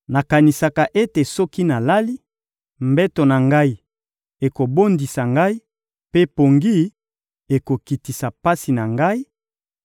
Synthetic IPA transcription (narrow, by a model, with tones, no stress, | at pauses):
na˨ka˨ni˨sa˨ka˨ʔe˦te˨sɔ˦ki˦na˨la˦li˦ | mbɛ˦to˨na˨ŋɡa˦i˨ | e˨ko˨bo˦ndi˨sa˨ŋɡa˦i˦ | pe˦po˨ŋɡi˦ | e˨ko˨ki˨ti˨sa˨pa˦si˨na˨ŋɡa˦i˦